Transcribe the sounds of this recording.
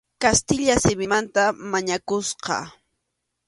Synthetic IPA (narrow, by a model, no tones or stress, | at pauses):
kast̪ɪʎasɪbɪmant̪amaɲakʊsqɑ̰